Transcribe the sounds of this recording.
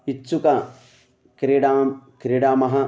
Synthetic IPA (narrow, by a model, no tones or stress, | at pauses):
itːsukɐ | kɾeɖaːkɾeɽaːmɐɦɐ